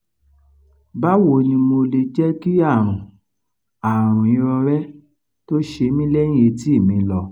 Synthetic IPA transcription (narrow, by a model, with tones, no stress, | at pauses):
ba˦wo˨nĩ˧mo˧le˧d͡ʒɛ˦ki˦a˦˨ɾ̃ũ˨ | a˨ɾɾ̃ũ˨ĩ˨˧˦ɾɔ˧ɾɛ˦ | to˦ʃe˧˦mĩ˦lɛ̃˦ĩ˦e˨˧˦ti˦i˦˨mĩ˨˧lɔ˧